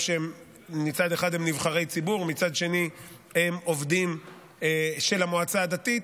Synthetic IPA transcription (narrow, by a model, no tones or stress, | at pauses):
ʃeemː | it͡sad̪eχad̪emnivχaʁe̞jt͡sibuʁmit͡sad̪ʃe̞ni | emo̞vd̪im | eʃe̞lamoat͡saːd̪at̪it